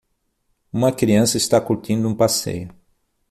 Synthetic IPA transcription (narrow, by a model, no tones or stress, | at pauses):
ũmɐkɾiɐ̃sɐist̪akuɾt̪ĩnd̪ʊũpasḛjʊ